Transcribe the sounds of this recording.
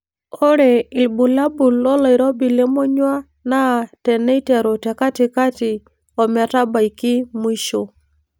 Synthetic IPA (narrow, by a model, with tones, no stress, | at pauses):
ɔ˦ɾɛ˨i˨lbu˨la˦bu˨lɔ˦la˨i˨ɾɔ˦bi˨lɛ˦mɔ˦ɲwa˦ | na˦˨tɛ˨nɛ˦i˦tɛ˨ɾo˨tɛ˨ka˦ti˨ka˦tɪ˨ | ɔ˨ma˨ta˦ba˨i˨ki˦mwi˦ʃo˨